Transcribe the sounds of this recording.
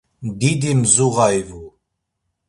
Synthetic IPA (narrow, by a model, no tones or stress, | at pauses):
d̪id̪imzuʁajvu